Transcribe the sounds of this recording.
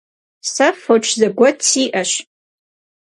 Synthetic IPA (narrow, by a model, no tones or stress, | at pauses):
safoʈ͡ʂʰzaɡʷat͡sʰiʔaʃ